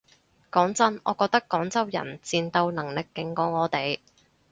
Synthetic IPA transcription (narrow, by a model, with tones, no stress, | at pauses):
kɔː˨˥ŋt͡sɐ˥nɔː˨˧kɔː˧k̚t̪ɐ˥kːɔː˨˥ŋt͡sɐ˥wjɐ̰˨˩nt͡siː˨˧nt̪o˧wnɐ˨˩ŋlɪ˨kːɪ˨˥ŋkɔː˨˥ŋɔː˨˧t̪e˨j